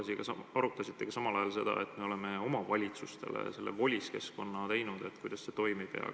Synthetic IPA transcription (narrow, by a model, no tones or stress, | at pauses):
siɡɑsɑɑɾut̪ːˑɑsit̪ːe̞ɡ̥ɑsɑmɑlɑjɑlse̞d̪̥ɑ̰e̞t̪ːˑme̞o̞le̞me̞o̞mɑvɑlʲit̪sust̪e̞̰lḛse̞lːe̞̰vo̞lʲiske̞sko̞nːɑt̪e̞jnud̪e̞t̪kujd̪̥ɑse̞t̪o̞jmipeɑ̰k